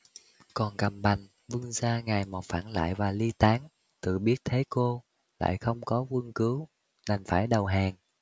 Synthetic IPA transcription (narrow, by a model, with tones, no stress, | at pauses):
kɔ˨˩nka˨˩m̚ɓa˨˩jŋ̟ | vɨ˧ŋzaː˧ŋa˨˩jmɔ˨˩faː˧˩nla̰ː˧˨jvaː˨˩li˧t̪aː˨˦ŋ | t̪ɨ̰˧˨ɓi˦˥ət̚t̪ʰe˨˦ko˧ | la̰ː˧˨jxə˧wŋ͡mkɔ˨˦kwɨ˧ŋkɨ˨˦w | na˨˩ŋ̟faː˧˩jɗə˨˩wɦaː˨˩ŋ